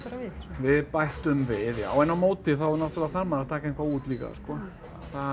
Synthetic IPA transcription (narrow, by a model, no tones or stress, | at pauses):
ɾɪvɪðpajht̪ʏmvɪðja̰wɛnːawmoːwt̪ɪθawɾnɔ̥t̪ɪlaθaɾmaɾat̪ʰaːkaẽŋ̥kvauːt̪liːka̰skɔː | θa